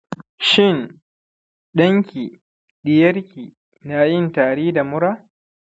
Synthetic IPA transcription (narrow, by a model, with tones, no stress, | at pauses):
ʃɪ˦˨n | ɗɐ˦ŋkʲiː˨ | ɗɪ˨jɐ˦ɾkʲiː˨ | na˦jɪ˦ntaː˨ɽiː˦da˨mʊ˦ɽaː˦